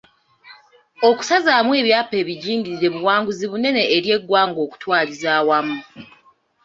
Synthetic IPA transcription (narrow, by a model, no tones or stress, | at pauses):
o̞ku̥sazaːmwe̞βjaːpe̞ːβiɟiːŋɡiɾiɾe̞βuwaːŋɡuziβune̞ne̞ːɾje̞ɡːwaːŋɡo̞ːku̥twaːlizaːwamu